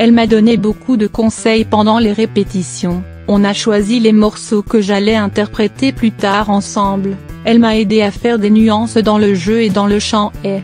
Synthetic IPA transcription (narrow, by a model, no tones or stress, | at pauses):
ɛlmad̪ɔnebokud̪əkɔ̃sɛjpɑ̃d̪ɑ̃leʁepet̪isjɔ̃ | ɔ̃naʃwazilemɔʁsokəʒalɛɛ̃t̪ɛʁpχet̪eplyt̪aʁɑ̃sɑ̃blɛlmaed̪eafɛʁd̪enyɑ̃sd̪ɑ̃ləʒøed̪ɑ̃ləʃɑ̃ɛ